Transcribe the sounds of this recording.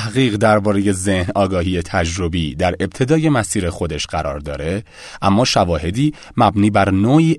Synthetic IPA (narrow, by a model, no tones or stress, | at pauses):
hɣiːɣd̪æɾbɒːɾe̞je̞ze̞hnɒːɡɒːɦiːjet̪ʰæd͡ʒɾo̞biːd̪æɾe̞b̚t̪ʰe̞d̪ɒːje̞mæsiːɾexo̞d̪e̞ʃɢæɾɒːɾd̪ɒːɾe̞ | ʔæmːɒːʃævɒːhe̞d̪iː | mæbniːbæɾnoːiː